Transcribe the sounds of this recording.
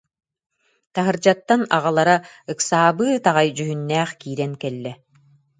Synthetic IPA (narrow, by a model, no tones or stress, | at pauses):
t̪aɦɯɾd͡ʑat̪ːana̰ʁalˠaɾa | ɯksaːbɯːt̪aʁajd͡ʑyɦynːɛːχkiːɾɛnkɛlːɛ